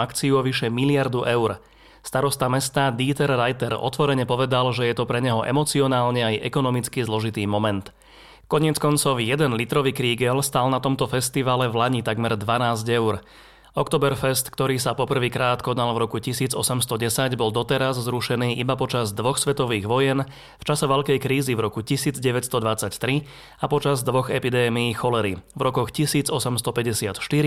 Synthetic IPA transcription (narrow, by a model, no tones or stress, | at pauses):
akt͡siuɔʋiʃɛmilɪaɾd̪uʔɛʊɾ | st̪aɾɔst̪amɛst̪aːd̪iːt̪ɛɾːajt̪ɛɾɔ̰t̪ʋɔɾɛɲɛpɔʋɛd̪alʒɛjɛt̪ɔpɾɛɲɛɦɔʔɛ̰mɔt͡siɔnaːlɲɛajʔɛkɔnɔmit͡skizlɔʒit̪iːmɔmɛnt̪ | kɔɲɪɛt͡skɔnt͡sɔʊjɛd̪ɛnlit̪ɾɔʋiːkɾiːɡɛlst̪aːlnat̪ɔmt̪ɔfɛst̪iʋaːlɛvlaɲit̪aɡmɛɾd̪ʋanaːzɟɛʊɾ | ɔkt̪ɔːbɛɾfɛst̪kt̪ɔɾiːsapɔpr̩ʋiːkɾaːt̪kɔd̪nalvɾɔkucisiːd͡zɔsɛmst̪ɔɟɛsaɟbɔld̪ɔt̪ɛɾazzɾuʃɛniːʔibapɔt͡ʃazd̪ʋɔxsʋɛt̪ɔʋiːɣʋɔjɛn | ft͡ʃasɛʋɛʎkɛjkɾiːzivɾɔkucisiːd͡zɟɛʋɛcst̪ɔd̪ʋat͡sact̪ɾi | apɔt͡ʃazd̪ʋɔɣɛpid̪ɛːmijiːxɔlɛɾivɾɔkɔxcisiːd͡zɔsɛmst̪ɔpɛɟɛsɪat̪ʃt̪iɾi